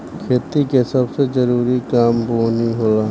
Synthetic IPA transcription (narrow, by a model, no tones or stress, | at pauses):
kʰeːt̪ikesɐbsed͡ʒɐɾuːɾikaːmboːniɦoːlaː